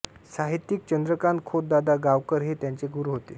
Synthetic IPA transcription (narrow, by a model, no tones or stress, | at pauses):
saɦit̪ːik̚t͡ɕənd̪ɾəkankʰot̪̚d̪ad̪aɡaʋkəɾɦet̪jaɲt͡ɕeɡuɾuɦot̪e